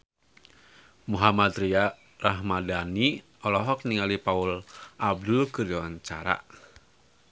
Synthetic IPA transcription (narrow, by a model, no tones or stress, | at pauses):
muɦamat̪ɾia | raɦmadani | ɔlɔɦɔk̚niŋalipaulʔab̚dulkɨrd͡ʒawaɲt͡ʃa̰ɾa̰